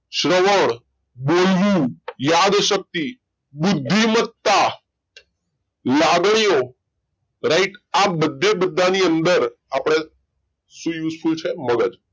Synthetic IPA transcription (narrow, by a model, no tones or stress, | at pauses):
ɕɾəʋəɳ̃ | bolʋũjad̪ɕək̚t̪i | bud̪ʱːimət̪ːa | laɡɳ̃ijo | ɾaiʈabəd̪ʱːebəd̪ʱːaniənd̪əɾapɽ̃e | sũjuːsfult͡ɕʰeməɡəd̪